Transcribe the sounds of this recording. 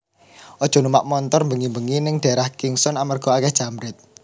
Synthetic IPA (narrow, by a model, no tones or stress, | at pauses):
ʔɔd̥ʒ̥ɔ̤numaʔmɔnt̪ɔrmbəŋimbəŋinɪŋɖ̥a̤ɾahkɪŋsɔnamərɡ̥ɔ̤akɛhʒ̥a̤mɾɪt̪̚